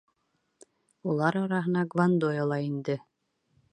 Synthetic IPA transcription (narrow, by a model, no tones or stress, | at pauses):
ulˠɑɾɑɾɑɦɤ̆nɑɡvand̪ɔjɔlˠɑind̪ɘ